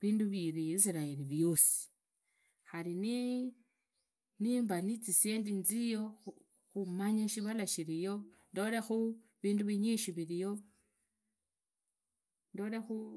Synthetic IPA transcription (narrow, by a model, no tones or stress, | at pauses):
βiːnduβiɾiis̬iɾaeliβjo̞si̥ | xalini | niːmbanit͡sise̞ːndinzijo̞ | xumaɲaʃiβalaʃiɾijo̞ | ndo̞lexu | βiːnduβiɲiʃiβiɾijo̞ | ndo̞ːlexu